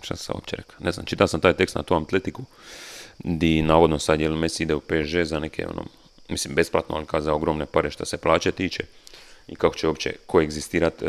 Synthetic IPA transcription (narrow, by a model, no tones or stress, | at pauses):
ʃt̪a̰ssa̰o̰pt͡ɕeɾḛkḁne̞zna̰mt͡ʃit̪aosamt̪aːjt̪e̞kst̪na̰t̪oamt̪let̪iku | d̪inaːʋo̞d̪nosad̪jelemesid̪eupeːʒezanekʰe̞̰o̰no̰ː | mislimbe̞splˠa̰t̪noa̰likazaoɡɾomne̞paɾeʃt̪aseplˠaːt͡ɕet̪iːt͡ʃeikako̥t͡ʃeoːpt͡ɕḛko̞eɡzist̪iːɾat̪